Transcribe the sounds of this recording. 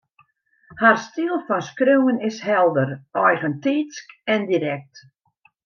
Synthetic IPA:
harstiəlˠfɔnskrøwənɪsɦɛlˠdərɔjɣəntiːskɛndiɾɛk̚t

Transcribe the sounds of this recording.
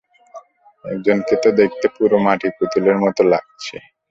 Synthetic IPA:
ɛ̰k̚d͡ʑonket̪od̪ek̚ʰt̪epuɾomaʈiput̪ileɾmɔt̪ola̰ɡ̚t͡ɕʰḛ

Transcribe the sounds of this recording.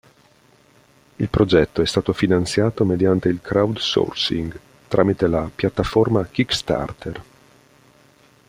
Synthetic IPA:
ilpɾod͡ʒɛt̪ːoɛst̪aːt̪ofinant̪sjaːt̪omed̪jant̪eilkɾawd̪so̰rsḭŋɡ | t̪ɾʔaːmit̪elapjat̪ːaformak̟ikst̪a̰rt̪ʰer

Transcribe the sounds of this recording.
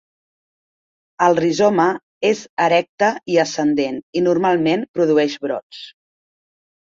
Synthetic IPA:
əlˠrizɔmə | ezəɾɛk̚t̪əiəsənd̪eninurmalˠmenpɾuðuɛʃβɾɔ̰t͡s

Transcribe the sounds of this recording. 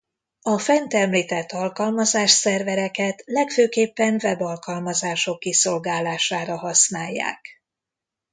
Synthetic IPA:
ɒfɛnt̪ɛmliːt̪ɛt̪ːɒlkɒlmɒzaːʃsɛrvɛɾɛkɛt̪lɛkføːkeːpːɛnvɛbɒlkɒlmɒzaːʃo̞kːiso̞lɡaːlaːʃaːɾɒɦɒsnaːjːa̰ːk

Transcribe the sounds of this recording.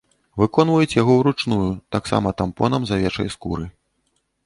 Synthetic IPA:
vɨkɔn̪vujut͡sʲjaɣɔwɾut͡ʂnujut̪aksa̰mɐt̪ampɔnɐmzavʲɛt͡ʂɐ̰jskṵɾɨ

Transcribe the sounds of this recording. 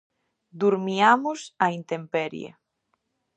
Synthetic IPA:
d̪uɾmiamʊsɐint̪empɛɾj̰a̰

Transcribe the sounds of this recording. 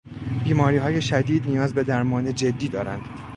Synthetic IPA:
b̥iːmɒːɾiːɦɒːje̞ʃæd̪iːd̪nijɒːzbe̞d̪æɾmɒːne̞d͡ʒe̞d̪ːiːd̪ɒːɾæ̰nd̪̥

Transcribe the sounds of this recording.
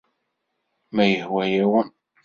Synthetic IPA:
mæjəhwæjæwən

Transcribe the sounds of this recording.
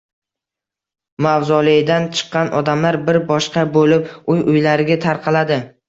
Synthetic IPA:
mawzɒlˠɪd̪ant͡ʃʰɨ̥qːɑnʔɒd̪amlaɾbɪɾbɒʃqɑbolɪpʊjʊjlaɾɪɡʲat̪ʰaɾqʰɑlad̪ɪ

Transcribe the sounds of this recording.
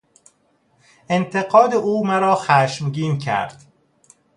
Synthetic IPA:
ent̪ʰeɡɒːd̪eʔuːmæɾɒːxæʃmɟiːncʰæ̰ɾd̪̥

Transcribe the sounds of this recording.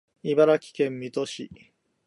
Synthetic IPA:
ibaɾakʲi̥kẽ̞mːʲit̪oɕḭ

